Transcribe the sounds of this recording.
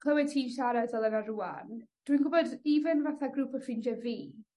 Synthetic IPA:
kʰlˠəwɛdtʰiːnʃaɾadvɛlˠənarua̰nd̥winɡʊbɔdivɨnvaθaɡɾuːpʰəfɪnd͡ʒɛviː

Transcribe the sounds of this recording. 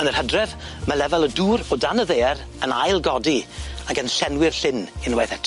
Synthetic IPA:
ənər̥hədrɛv | malɛvɛlˠəduːɾɔdanəðeːr | ənajlˠɡɔdiaɡənɬɛnwɪrɬɪnɪnwajθɛtʰ

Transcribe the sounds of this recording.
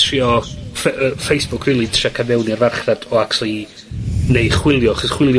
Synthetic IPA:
riɔfəfejsb̥ʊkʰriːlˠitʰrakʰabɛwniarvarχrad̥ɔakʰtʰlˠi | nejχwɪlˠjɔaχɔsχwɪlˠj

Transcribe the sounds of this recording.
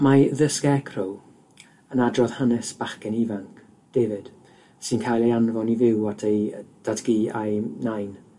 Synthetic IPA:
maðəskɛkʰrɔl | ənadrɔð̥hanɛsb̥aχkɛnivaŋkʰ | d̥eːvɪd̥ | sɪnkʰajlˠejanvɔnivɪwatʰejd̥adɡiːajnajn

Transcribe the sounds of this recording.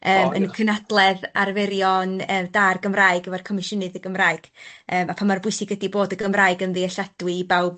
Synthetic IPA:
əːmə̰nkʰənadlˠɛðarvɛɾjɔnəːdarɡəmraɨɡəvarkʰɔmɪʃənɨðəɡəmraːɨɡ̥əːmapʰamarbʊɨsɪɡədiboːdəɡəmraːɨɡənðiəɬad̥wɪbawb̚

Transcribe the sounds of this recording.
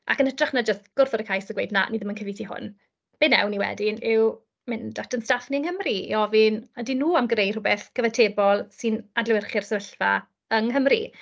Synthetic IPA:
a̰kənədraχnad͡ʒəstɡ̥ʊrθɔdəkʰajsəɡwḛjdna̰niðəmənkʰəviθihʊ̰n | b̥ɪnɛ̰wniwɛ̰dɪnɪw | mɪndatʰənstafniəŋhəmriḭɔvɪnadinuːamɡrejdrʊbɛθɡ̥əvatʰeːbɔlˠsɨnadlˠɛwɪrχɪrsəvəɬva̰ | əŋɦəmrḭ

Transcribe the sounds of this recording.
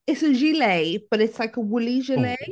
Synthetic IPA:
ɪtsəʒileɪb̥ʌɾɪtslaɪkəwʊliʒɪleɪ

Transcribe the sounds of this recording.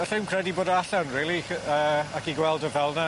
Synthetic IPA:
ɛɬɪwnkʰr̥ɛdiboːdəaɬanriːlˠiəːakiɡwɛlˠdəvɛlˠna

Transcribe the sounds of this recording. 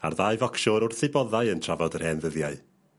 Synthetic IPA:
a̰rðaːjvɔkʃɔɾʊrθɨbɔðaɨəntʰravɔdər̥hɛnðəðjaɨ

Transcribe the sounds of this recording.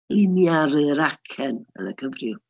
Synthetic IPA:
lɪnjaɾɨɾakʰɛnə̰nəkʰəvrɪw

